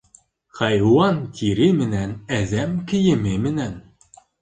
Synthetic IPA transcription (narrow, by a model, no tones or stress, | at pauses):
qɑjwɑnt̪ʲʰiɾɘmɘ̆nænæðæmkɘ̆jɘ̆mɘmɘ̆næn